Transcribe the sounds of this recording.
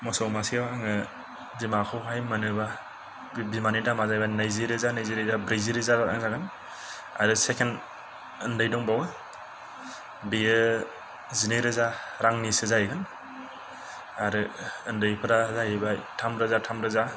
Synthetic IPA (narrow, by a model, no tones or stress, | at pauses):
mɔsɔwmasiabaːŋɯ | bimakʰɯwɦajmɯnɯba | bimanidamazajbanajziɾɯzanajziɾizabɾejziɾizaɾaa̰ŋzaɡɯn | a̰ɾɯsekʰen | ɯndɯjdɔŋbawɯ | bijɯ | zineɾɯzaɾaŋnisɯzajɡɯn | aɾɯɯndɯjpʰɯɾazajbatʰamɾɯzatʰamɾɯza